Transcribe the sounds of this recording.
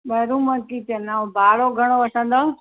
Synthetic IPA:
ɓɐɦɾũːmɐkit̪enaːõbʱaːɭoɡʱɐɽ̃oʋɐsə̃nd̪oː

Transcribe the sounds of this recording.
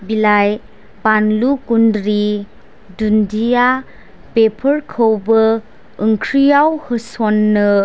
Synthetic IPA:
bilaj | banlukundɾi | dundija | pepʰəɾkʰəwbəː | ŋkʰɾijawhɯsonːɯ

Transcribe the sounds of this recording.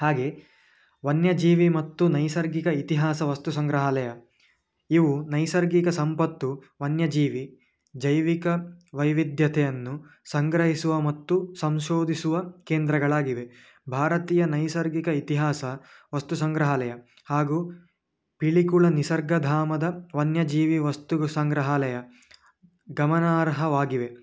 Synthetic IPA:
haːɡe̞ | ʋɐnjɐd͡ʒiːʋimɐt̪ːunɐjsɐɾɡikɐit̪iɦaːsɐʋɐst̪usɐŋɡɾɐɦɐlɛjɐ | iʋunɐjsɐɾɡikɐsɐmpɐt̪ːu | ʋɐnjɐd͡ʒiːʋi | d͡ʒɐjʋikɐʋɐjʋid̪ʱjɐt̪ʰɛjɐnːusɐŋɡɾɐɦisuʋɐmɐt̪ːusɐmʃoːd̪ʱisuʋɐkeːnd̪ɾɐɡɐɭaːɡiʋe | bʱaːɾɐt̪iːjɐnɐjsɐɾɡikɐit̪iɦaːsɐʋɐst̪usɐŋɡɾɐɦɐlɛjɐ | haːɡu | piɭikuɭɐnisɐɾɡɐd̪ʱaːmɐd̪ɐʋɐnjɐd͡ʒiːʋiʋɐst̪usɐŋɡɾɐɦalɛjɐ | ɡɐmɐnaːɾɦɐʋaːɡiʋe

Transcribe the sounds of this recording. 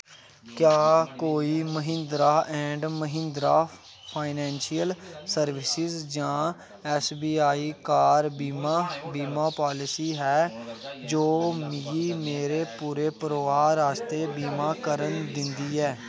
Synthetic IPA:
kjaːkoːiːməɦɪ̃nd̪ɾaːʔɛ̃ːɳɖməɦɪ̃nd̪ɾaː | pʰaːɪnɛ̃ːnʃijəlsəɾʋɪsɪzd͡ʒãː | ɛːsbiːaːiːkaːɾbimbiːmaːpaːlɪsiːɦɛːd͡ʒoːmiːiːmeːɾeːpuːɾeːpəɾʋaːɾaːst̪eːbiːmaːkəɾənd̪ɪ̃nd̪iːɛː

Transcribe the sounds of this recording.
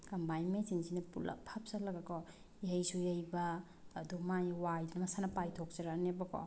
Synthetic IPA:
kɐmbajmet͡ʃinzinɐpula̰pʰap̚salɐɡakɔ | iɦajsujɐjbaː | dumajwajdinmɐsanɐpajtʰok̚t͡ʃaɾanebɐkɔ̰

